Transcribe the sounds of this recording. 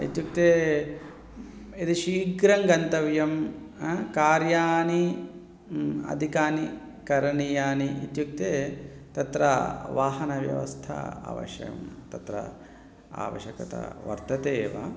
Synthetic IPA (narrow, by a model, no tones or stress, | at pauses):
ḭt̪juk̚t̪e | id̪iʃiːɡɾɐŋɡɐnt̪ɐʋjɐm | kaːɾjaːni | ɐ̰d̪ʱikaːni | kɐɾɐɳijaːniʔit̪juk̚t̪eː | t̪ɐt̪ɾɐʋaːɦɐnɐʋjɐ̰ʋɐ̰st̪ʰɐ̰a̰ːʋɐ̰ʃjɐ̰jɐ̰mt̪ɐt̪ɾɐ̰ | a̰ːʋɐ̰ʃɐkɐt̪ɐ̰ʋɐ̰ɾt̪ɐt̪eːʋɐ̰